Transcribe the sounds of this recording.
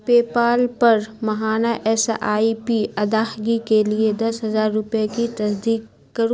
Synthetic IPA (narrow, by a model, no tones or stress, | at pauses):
peːpaːlpɐɾmɐɦaːnaʔɛsaːipiɐd̪aːhɡikelied̪ɐsɦɐzaːɾːʊpjakit̪ɐsd̪iːkː | ɐɾũ